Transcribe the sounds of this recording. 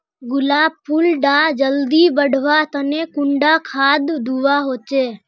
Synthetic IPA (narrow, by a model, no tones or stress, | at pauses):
ɡʊlaːbpʰːulɖaːd͡ʒəld̪ibəɽ̤ʱʋat̪ənekʊɳɖakʰaːd̪ːʱuʋaɦoːt͡ʃeː